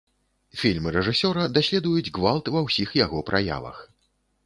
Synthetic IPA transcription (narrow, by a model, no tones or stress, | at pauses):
fʲilʲmɨɾɛʐɨsʲɔɾɐd̪asʲlʲɛd̪ujud͡zʲɣvalˠt̪vɐwsʲixjaɣɔpɾʔaja̰vɐ̰x